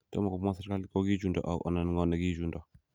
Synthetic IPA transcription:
tɔ̰˦ma˨kɔ˨˦ma˦saɾka˦li˦kɔ˦ɡi˦d͡ʒu˨ndɔ̰˨ʔa̰˨wʔɔ̰˨na˨nŋɔ˦na˨ɡi˦d͡ʒu˨ndɔ˨

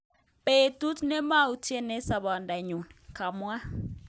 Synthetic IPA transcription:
pe˨tu˦tnɛ˦ma˦u˨tʰi˦ɛ˦nɛ˦sa˨βɔ˨nda˨ɲu˨nkʰa˨mwa˦

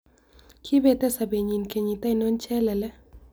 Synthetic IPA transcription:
kʰi˦bɛ˦˨t̪ɛ˦sa˨be˨ɲi˨nke˨ɲi˨t̪a˦inɔ˦nt͡ʃɛ˦lɛ˨lɛ˦

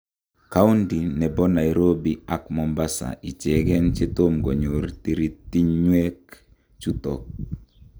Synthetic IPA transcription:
ka˦u˦ndi˨nɛ˨bɔ˦na˨iɾo˦bi˨a˦kmɔ˨mba˦sa̰˨ʔi˨t͡ʃɛ˨ɡɛ˦nt͡ʃe˦t̪o˦mɡɔ˨ɲo˨ɾt̪iɾi˦t̪i˦ɲɲwɛ˦k | t͡ʃu˦t̪ɔ˨k̚

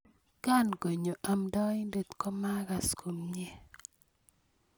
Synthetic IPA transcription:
ka˦˨nɡo˨ɲo˨ʔa˨mdɔ˦i˦nde˦˨t̪kɔ˦ma˦ɡa˨skʰo˨mɲe˦

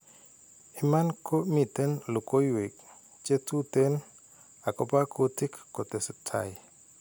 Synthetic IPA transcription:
ɪ˨ma˦nkʰo˦mi˨te˦nlo˨ko˦jwe˨k | t͡ʃe˦tu˦te˦n | a˨kɔ˦pa˦kʰo˦tɪ˦kːo˨tɛ˨sɪ˨tʰa̰˨j

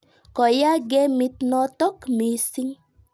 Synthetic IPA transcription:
kɔ˨ja˦ɡɛ˦mi˨t̪nɔ˦tɔ˦kmi˨si˦ŋ

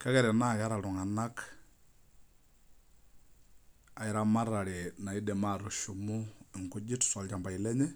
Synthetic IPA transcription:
ka˦ɣɛ˨ɾɛ˨na˦ka˦ɾa˨lʊ˨ŋa˨na˦k | a˨ɪ˨ɾa˦ma˦ɾa˨ɾɛ˨na˨i˦dɛ˨ma˦˨ɾu˨ʃu˨mʊ˦ɪ˨ŋkʊ˦d͡ʒɪ˦tsɔ˨lt͡ʃa˨mba˨ɪ˨lɛ˦ɲɛ˦

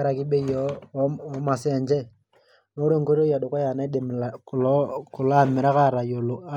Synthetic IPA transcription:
aɾa˨ki˦ɓe˦jɔː˦˨ | ma˨sɛ˨ɲd͡ʒɛ˦ | no˦ɾe˦ŋɡo˦ɾo˦ja˨ɗo˨ka˦ja˨na˦i˦ɗe˨m˨la˨ku˨lɔ˦ku˨la˦mi˨ɾa˦ka˦ɾa˨jo˨lo˨a˦

